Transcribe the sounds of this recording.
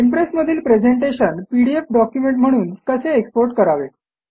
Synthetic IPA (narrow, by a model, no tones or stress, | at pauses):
impɾesməd̪ʱiːlpɾed͡zeɳʈeɕənpiɽiefɖɔkjumeɳʈm̤əɽ̃uːnkəseːkspoɾʈkəɾaʋe